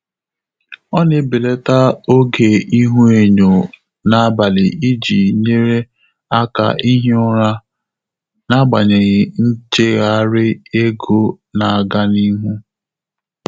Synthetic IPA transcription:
ɔ˦nɪ˦bɪ˨le˦ta˦o˦ɡe˨i˦ɦu˦e˨ɲo˨ | na˨a˦ba˨lɪ˨i˦d͡ʒi˨ɲe˦ɾe˦ | a˦ka̰˨ʔi˦ɦe˦ʊ˦ɾa˦ | na˦ɡ͡ba˨ɲe˨ɣɪ˨n̩˦t͡ʃe˦ɣa˨˦ɾɪ˦e˦ɡo˦ | na˨a˨ɡa˦ni˦ɦu˦

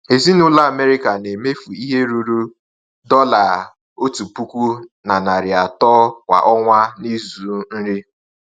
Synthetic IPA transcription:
e˨zi˦nʊ˦la˦a˨me˦ɾi˦ka˨ne˨me˦fu˨i˦ɦe˦ɾu˨ɾu˦ | dɔ˦la˨ | o˦tu˨pu˦kʷu˦na˨na˨ɾɪ˨a˨tɔ˦kʷa̰˨ʔɔ˦ŋʷa˦ni˦zu˨n̩˦ɾi˦

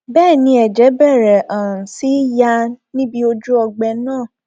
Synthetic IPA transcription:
bɛː˦˨nĩ˧˦ɛ˨d͡ʒɛ˨˦bɛ˦˨ɾɛ˨ʔɔ˨ɾũ˨si˨˦ja˧nĩ˦bi˧o˧d͡ʒu˦ɔ˧ɡ͡bɛ˧nãː˦˨

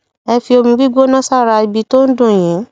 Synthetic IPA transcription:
ɛ˧fi˧o˧mĩ˧ɡi˦ɡ͡bo˦nã˦sa˦˨ɾa˧i˧bi˧˦to˦n̩˦dũ˦˨j̃ĩ˨˦

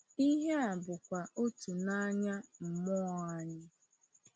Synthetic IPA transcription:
i˦ɦe˦a˨bʊ˨kʷa˨ʔo˦tu˨na˦ɲa˦m̩˨mɔ˦a˦ɲɪ˦

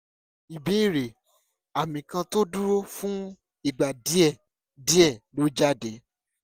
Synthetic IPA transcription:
i˨be˨˦i˦˨ɾe˨ | a˨mĩ˨kã˧to˦du˦ɾo˦fũ˦ | i˦˨ɡ͡ba˨di˨˦ɛ˦˨ | di˨˦ɛ˦˨lo˨˦d͡ʒa˦˨de˨˦

